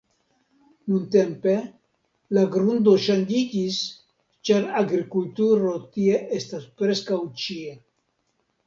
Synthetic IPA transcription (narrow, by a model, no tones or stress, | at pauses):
nunt̪empe | laɡɾund̪oʃanʲd͡ʒid͡ʒis | t͡ʃaɾaɡɾikult̪uɾot̪ieʔest̪aspɾeskawt͡ʃie